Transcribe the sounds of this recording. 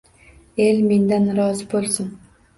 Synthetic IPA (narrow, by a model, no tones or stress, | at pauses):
elme̞nd̪anɾɒːzɪbolˠsʊn